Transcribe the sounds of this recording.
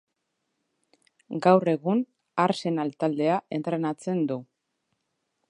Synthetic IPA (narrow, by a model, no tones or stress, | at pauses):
ɡawre̞ɣun | aɾse̞nalt̪ald̪e̞aʔe̞nt̪ɾe̞nat͡se̞nd̪u